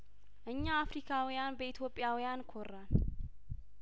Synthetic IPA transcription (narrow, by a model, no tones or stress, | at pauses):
ʔɨɲːaːfɾikʰawjanbəit̪ʰjo̞pʼːjawjankʰorːan